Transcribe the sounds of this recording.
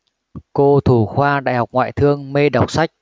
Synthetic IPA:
ko˧t̪ʰu˧˩xwaː˧ɗa̰ː˧˨jɦa˨˩wk͡p̚ŋwa̰ː˧˨jt̪ʰɨ˧əŋme˧ɗa˨˩wk͡p̚sa˦˥jk̚

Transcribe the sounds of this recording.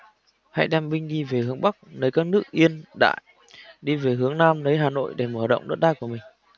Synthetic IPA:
ha̰˧˥jɗɛ˧mɓï˧ŋ̟ɗi˧ve˨˩hɨ˨˦əŋɓa˦˥k̚nə˨˦jkaː˦˥k̚nɨ˦˥ək̚ʔi˧ənɗa̰ː˧˨j | ɗi˧ve˨˩ɦɨ˨˦əŋnaː˧mnəː˨˦jɦaː˨˩no̰˧˨jɗe˧˩məː˧˩ɗə̰˧˨wŋ͡mɗə˦˥t̚ɗaː˧jku˧˩əmï˨˩ŋ̟

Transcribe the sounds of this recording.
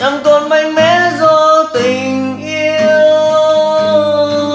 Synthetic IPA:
ʔa˨˧˦mt̪o˧nma˧jŋmɛ˧˥˦zɔ˧t̪ï˨˩ŋŋʔi˧əəww

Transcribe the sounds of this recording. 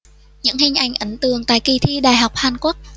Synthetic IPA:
ɲɨ̰˧˥ŋhï˧ŋ̟ʔa˨˩jŋ̟ʔə˨˦nt̪ɨ˨˩əŋt̪a̰ː˧˨jki˧˩t̪ʰi˧ɗaː˨˩jɦa˨˩wk͡p̚haː˨˧nku˦˥ək̚

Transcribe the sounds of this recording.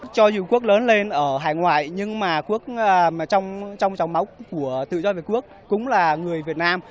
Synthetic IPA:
t͡ɕɔ˧zu˧˩ku˦˥ək̚ləː˨˦nle˧nʔəː˧˩ɦaː˨˩jŋwa̰ː˧˨jɲɨ˧ŋmaː˨˩ku˦˥ək̚ːt͡ɕɔ˧wŋ͡mt͡ɕɔ˧wŋ͡mt͡ɕɔ˨˩wŋ͡mma˨˦wku˧˩ət̪ɨ̰˧˨zɔ˧vi˨˩tku˦˥ək̚ːʊ̰˨˥ŋ͡mlaː˨˩ŋɨ˨˩əjvi˨˩ət̚naː˧m

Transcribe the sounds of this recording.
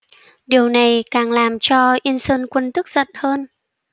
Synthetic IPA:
ɗi˨˩əwna˨˩jkaː˨˩ŋlaː˨˩mt͡ɕɔ˧ʔi˧ənsəː˧nkwə˧nt̪ɨ˦˥k̚z̥ə̰˧˨nhəː˧n

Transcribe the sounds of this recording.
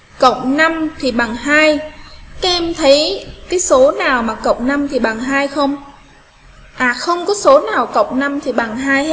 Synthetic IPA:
kə̰˨˩wk͡p̚na˧mt̪ʰi˨˩ɓa˨˩ŋhaː˧jkaː˨˦ʔɛ˧mt̪ʰə˨˦jkaː˨˦jso˨˦naː˨˩wmaː˨˩kə̰˨˩wŋ͡m̚na˧mt̪ʰi˨˩ɓa˨˩ŋɦaː˧jxə˧wŋ͡m | ʔaː˨˩xə˧wŋ͡mkɔ˨˦so˨˦naː˨˩wkə̰˨˩˨wk͡pŋ͡m̚na˧mt̪ʰi˨˩ɓa˨˩ŋɦaː˧jhe˦˥t̚

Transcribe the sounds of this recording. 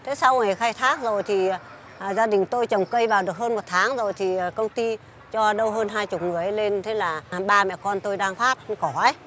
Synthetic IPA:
t̪ʰe˨˦sa˧wŋa˨˩˨xaː˧jt̪ʰaː˦˥k̚zo˨˩jt̪ʰi˨˩˨ | zaː˧ɗï˨˩ŋ̟t̪o˧jt͡ɕə˨˩wŋ͡mkə˧jvaː˨˩wɗɨ˨˩ək̚həː˧nmo˨˩t̚t̪ʰaː˨˦ŋzo˨˩jt̪ʰi˨˩˨kə˧wŋ͡mt̪i˧ | t͡ɕɔ˧ɗə˧wɦəː˧nɦaː˧jt͡ɕʊ˨˩k͡p̚ŋɨ˨˩əjʔle˧nt̪ʰe˨˦laː˨˩ɓaː˧mɛ̰˧˨kɔ˧nt̪o˧jɗaː˧ŋfaː˦˥p̚kɔ˨˧˩ʔə˨˦

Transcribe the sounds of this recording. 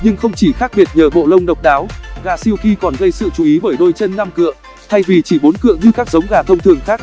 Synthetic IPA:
ɲɨ˧ŋxə˧wŋ͡mt͡ɕi˧˩xaː˦˥k̚ɓi˨˩ət̚ɲəː˨˩ɓo̰˧˨lə˧wŋ͡mɗə˨˩wk͡p̚ɗaː˨˦wɣa̰ː˧˨si˧əwki˧kɔ˨˩nɣə˧jsɨ̰˧˨t͡ɕu˨˦ʔi˨˦ɓəː˧˩jɗo˧jt͡ɕə˧nːa˧mkɨ̰˧˨ə | t̪ʰa˧jvi˨˩t͡ɕi˧˩ɓo˨˦nkɨ̰˧˨əɲɨ˧kaː˦˥k̚zə˨˦wŋ͡mɣaː˨˩t̪ʰə˧wŋ͡mt̪ʰɨ˨˩əŋxaː˦˥k̚

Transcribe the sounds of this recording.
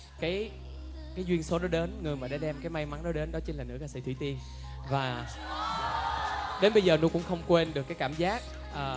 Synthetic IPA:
kaː˨˦j | kaː˨˦jzwi˧ənso˨˦ɗɔ˨˦ɗe˨˦nŋɨ˨˩əjmaː˨˩ɗaː˧˦ɗɛ˧mkaː˨˦jma˧jma˨˦ŋɗɔ˨˦˥ɗe˨˦nɗɔ˨˦t͡ɕi˧nlaː˨˩nɨ̰˧˥kaː˧˩sḭ˧˩t̪ʰwi˧˦t̪i˧ən | vaː˨˩ | ɗe˨˦nɓə˧jzəː˨˩nu˨˧˦kʊ̰˧˥ŋ͡mxə˧wŋ͡mkwe˧nɗɨ˨˩əkːaː˨˦jkaː˧˩˨mzaː˦˥k̚ | ʔəː˨˩

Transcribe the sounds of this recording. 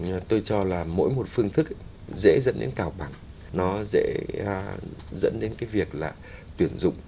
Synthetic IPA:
t̪o˧jt͡ɕɔ˧laː˨˩mo̰˧˥jmo˨˩t̚fɨ˧əŋt̪ʰɨ˦˥k̚ | zɛ̰˧˥zə̰˧˥nɗḛ˨˦nkaː˨˩wɓa˧˩ŋ | nɔ˨˦zɛ̰˧˥˧ | zə̰˧˥nɗe˨˦nkaː˨˦jvi˨˩ək̚laː˨˩t̪wi˧˩ənzʊ̰˧˨ŋ͡m

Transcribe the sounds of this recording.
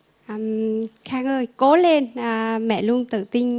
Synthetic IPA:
ʔəː˧˩mxaː˧ŋʔəː˧˩jko˨˦le˧nʔəː˨˩mɛ̰˧˨lu˧əŋt̪ɨ̰˧˨t̪ï˧ŋ̟

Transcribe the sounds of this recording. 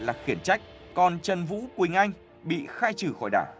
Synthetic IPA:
laː˨˩xi˧˩ənt͡ɕa˦˥jk̟̚ | kɔ˨˩nt͡ɕə˨˩nvṵ˧˥kwï˨˩ŋ̟ʔa˧jŋ | ɓḭ˧˨xaː˧jt͡ɕɨ˧˩xɔ˧˩jɗa̰ː˧˩w

